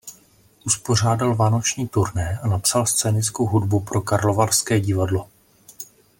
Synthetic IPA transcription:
ʔuspo̞r̝aːdalvaːno̞t͡ʃɲiːt̪uɾnɛːʔanapsalst͡sɛːnɪt͡skowɦudbupɾo̞kaɾlo̞varskɛːɟɪvadlo̞

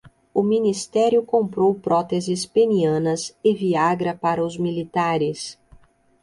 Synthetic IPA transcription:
ʊminist̪ɛɾjʊkõmpɾowpɾɔt̪ezɪspeniɐ̃nɐsɪviaɡɾɐpaɾɐʊzmilit̪aɾɪs

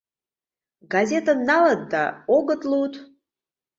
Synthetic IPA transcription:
ɡazʲet̪anːalad̪d̪aoɡət̪lˠuwt̪

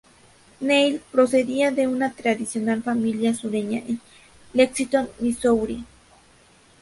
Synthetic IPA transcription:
nejlpɾoseðiaðeunat̪ɾaðisjonalfamiljasuɾeɲaʔen | leksit̪onːisowɾi

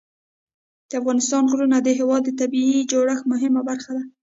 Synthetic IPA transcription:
d̪̥əafɣɑnɪst̪ɑnɣɾunad̪əɦɪwɑd̪ːət̪abiid͡ʒoɽəxmʊɦɪmabaɾxad̪a

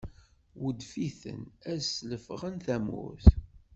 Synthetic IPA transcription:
wəd̪fiθə̰næsləfʁənθæmʊ̰θ

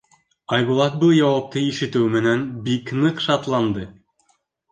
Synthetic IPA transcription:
ɑjβulˠɑt̪̚bɤlˠjɑwɑp̚t̪ɤiʃɘ̆t̪ɘwmɘ̆nænbiknɤqʃɑt̪lˠɑnd̪ɤ

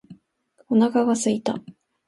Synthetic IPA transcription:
onakaɡasɨit̪a̰

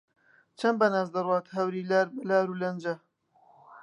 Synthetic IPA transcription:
t͡ʃʰɐnbɐnaːzd̪ɐrwaːt̪ɦɐwɾiːllaːɾulɐnd͡ʒɐ

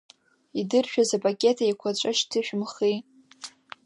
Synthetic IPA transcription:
idɨrʃᶣazapʰʼakʲʼe̞tʰajakʷʰat͡ʃʷʼaʃtʰɨʃᶣmχi

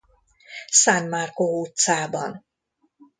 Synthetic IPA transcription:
sanmarkout̪saːbɒ̰n

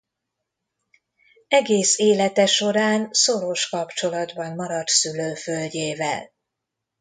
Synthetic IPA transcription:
ɛɡeːseːlɛt̪ɛʃo̞ɾaːnso̞ɾo̞ʃkɒpt͡ʃo̞lɒd̪bɒmmɒɾɒt̪syløːfølɟeːvɛ̰l

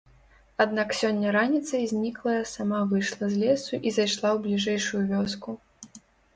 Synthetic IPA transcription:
ad̪naksʲɔnʲːɐɾanʲit̪sɐjzʲnʲiklˠɐjɐsamavɨjʂlˠɐzʲlʲɛsuʔizajʂlˠawblʲiʐɛjʂujuvʲɔsku

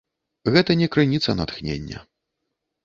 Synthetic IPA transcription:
ɣɛt̪ɐnʲɛkɾɨnʲit̪sɐnat̪xnʲḛnʲːɐ̰

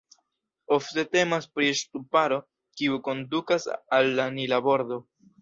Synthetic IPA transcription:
o̞fte̞te̞maspɾiʃtupaɾo̞ | kiuko̞ndukasalːanilabo̞ɾdo̞

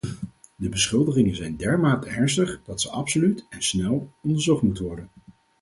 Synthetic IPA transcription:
dəbəsχɪlˠdəχɪŋənzɛjndɛɹmaːtəɛɹnstəχd̥ɑtsəʔɑpsolytɛnsnɛlˠɔndəɹzɔχtmutəʋɔɹdən

